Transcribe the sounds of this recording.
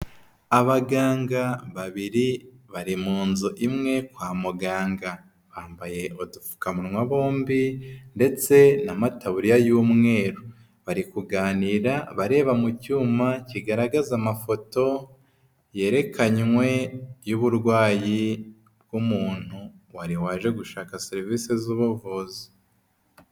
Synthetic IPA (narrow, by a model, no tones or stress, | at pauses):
aβaɡaːŋɡaβaβiɾiβaɾimuːnzuʔimŋe̞kwaːmuɡaːŋɡa | βaːmbaje̞ʔodufu̥kamuɾmwaβo̞ːmbinde̞t͡se̞namataβuɾijajumŋe̞ːɾo | βaɾikuɡaːniɾaβaɾe̞ːβamucuːmaciɡaɾaɡazamafo̞to̞ | je̞ːɾe̞kʰaɲwe̞juβuɾɡwaːji | b̚ɡ̥umuːn̥hu | waɾiwaːʒe̞ɡuʃaːkaseɾiviːsezuβuvozi̥